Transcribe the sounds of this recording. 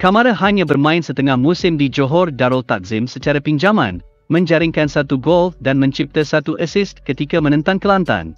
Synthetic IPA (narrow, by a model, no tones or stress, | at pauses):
kamaɾaɦaɲãbərmãɪnsət̪əŋahmusɪmdid͡ʒoɦɔrdaɾəlt̪ak̚zɪmsət͡ʃaɾapiɲd͡ʒamã̰n | mə̃ɲd͡ʒaɾɪŋkansat̪uɡɔlfdanmə̃ɲt͡ʃip̚t̪asat̪uʔəsɪstkət̪ikamənə̃nt̪aŋkəlant̪a̰n